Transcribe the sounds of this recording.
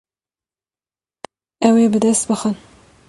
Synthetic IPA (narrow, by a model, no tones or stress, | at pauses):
ɛweːbɨd̪ɛst̪̚bɨxən